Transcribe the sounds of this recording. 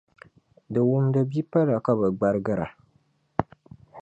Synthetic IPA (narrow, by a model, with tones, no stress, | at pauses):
dɨ˨wʊ˦mdɨ˨bi˦pa˦la˨ka˦bɨ˨ɡ͡ba˦ɾɡɨ˦ɾa˨